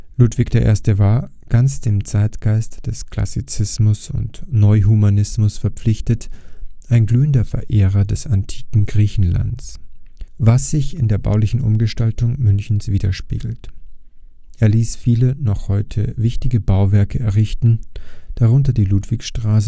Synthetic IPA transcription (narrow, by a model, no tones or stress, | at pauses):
luːtv̥ɪkd̥eːɐʔḛːɐstəvaː | ɡ̥ant͡sd̥eːmt͡saɪtɡ̥aɪstd̥ɛskʰl̥a̰sit͡sɪsmʊsʊ̰ntnɔʏɦumanɪsmʊsfɛɐpp͡flɪçtətʔaɪnɡlyːəndɐfɛɐʔeːʁɐdɛsantʰi̥ːkŋ̩ɡʁiːçn̩la̰nts | vasz̥ɪçɪndeːɐba̰ʊlɪçn̩ʔʊ̰mɡəʃtaltʊŋmʏnçn̩sv̥iːdɐʃpḭːɡl̩t | ʔeːɐliːsfiːlənɔχhɔʏtʰəvɪçtɪɡəbaʊvɛɐkəɛɐʁɪçtn̩d̥aʁʊntɐdiːluːtv̥ɪçʃtʁ̥aːs̬ə